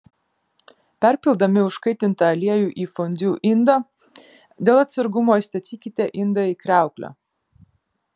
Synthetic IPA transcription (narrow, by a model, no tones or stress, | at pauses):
pʲɛˑɾʲpʲɪlˠd̪ɐmʲɪʊʃkɐɪt̪ʲɪnt̪ɐɐlʲiɛjuːʔiːfɔnʲd̪ʲuːʔɪnd̪ɐ | d̪ʲeːlˠɐt̪ʲsɐɾɡʊmoːist̪ɐt̪ʲiːkʲɪt̪ʲeʔɪnd̪ɐiːkɾʲæˑʊklʲo̰